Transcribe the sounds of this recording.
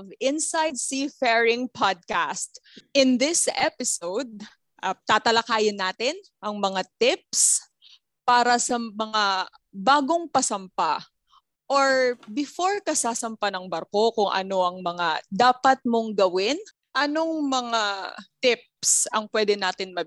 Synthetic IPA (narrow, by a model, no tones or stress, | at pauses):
vɪnsajd̪̚sifɛɹɪŋpʰad̪̚kast̪ | ɪnd̪ɪsɛpɪsowd̪̚ | ʔɐt̪aːt̪ɐlɐkaːjɪnːaːt̪ɪn | ʔɐŋmɐŋat̪ɪp̚s | paːɾɐsɐmɐŋa | baːɡo̞ŋpɐsɐmpa | ʔoɹbɪfo̞ɹkɐsaːsɐmpanɐŋbɐɾko̞kʊŋʔɐ̰no̞ʔɐŋmɐŋad̪aːpɐt̪̚mo̞ŋɡɐwɪn | ʔɐno̞ŋmɐŋat̪ɪp̚sɐŋpwɛd̪ɛnaːt̪ɪnmɐ